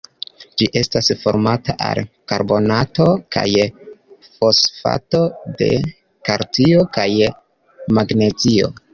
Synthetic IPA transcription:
d͡ʒiʔe̞stasfo̞̰ɾmataʔa̰lkaɾbo̞nato̞ka̰j | fo̞sfa̰to̞de̞̰ | kaɾtio̞kaj | maɡne̞zio̞̰

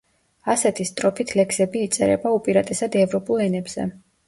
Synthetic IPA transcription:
asɛt̪ʰist̪ʼɾɔpʰit̪ʰlɛkʰsɛbiːt̪sʼɛɾɛ̰baupʼiɾat̪ʼɛsad̪ɛvɾɔpʼulˠɛnɛbz̥ɛ̰

